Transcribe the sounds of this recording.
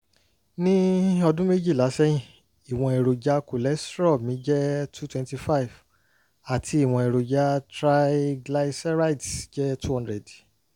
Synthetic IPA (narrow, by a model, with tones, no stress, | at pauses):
nĩ˦ɔ˧dũ˦me˦d͡ʒi˦˨la˨˦sɛ˦jĩ˦˨ | i˨w̃ɔ̃˧e˨ɾo˨d͡ʒa˦ku˨lɛ˨˦stɾɔ˦˨mĩ˨˦d͡ʒɛ˦tʰu˦twɛ̃˧nti˧fa˦i˨v | a˨tʰi˧˦i˦˨w̃ɔ̃˧e˨ɾo˨d͡ʒa˦tɾa˦iɡla˧i˦sɛ˦ɾa˦i˨tsd͡ʒɛ˦tʰu˦hɔ̃˦ndɾɛ˨d